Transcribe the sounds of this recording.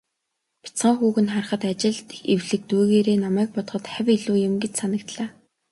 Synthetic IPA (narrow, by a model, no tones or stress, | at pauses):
pʰʲi̥t͡sχə̆ŋxuːɣɘ̆nχarχə̆t̪at͡ɕɪ̆ɮt̪ewɮɘ̆k̚t̪uːɣeːɾeːnamæːk̚pɔt̪χɞ̆t̪χæwʲiɮuːjemɡet͡ɕsanə̆kt̪ɮaː